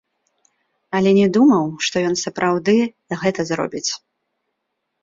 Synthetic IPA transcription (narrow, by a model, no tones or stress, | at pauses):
ɐlʲɛnʲɛd̪umɐwʂt̪ɔjɔnsɐpɾʔawd̪ɨ | ɣɛt̪ɐzɾɔ̰bʲit͡sʲ